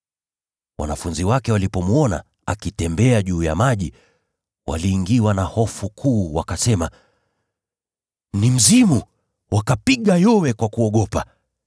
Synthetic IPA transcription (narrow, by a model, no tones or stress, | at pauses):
wʔa̰nafunziwakɛwalipɔmuɔna̰ | akitɛmbɛaʄuːja̰maʄi | wʔa̰liːŋɡiwanahɔfukʰuːwakasɛma | nim̩zimu | wʔakapiɠajɔwɛkwakuɔɠɔpa